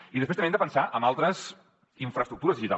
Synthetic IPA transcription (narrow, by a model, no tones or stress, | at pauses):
iðəspɾest̪mend̪əpənsaʔəmalˠt̪ɾəz | iɱfɾəst̪ɾuk̚t̪uɾəzðiʒit̪a̰